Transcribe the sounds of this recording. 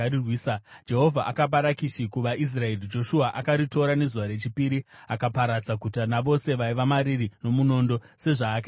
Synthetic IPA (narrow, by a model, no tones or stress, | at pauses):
irwiːsad͡ʒe̞ɦo̞vʱaʔakap̬aɾakiʃikuʋaʔis̬rae̞rid͡ʒo̞ʃuaʔakaɾito̞ɾane̞zuʋaɾe̞t͡ʃipiɾiakapaɾad͡zakutanaʋo̞se̞ʋaiʋamaɾirino̞muno̞ːndo̞ | se̞ʐaːka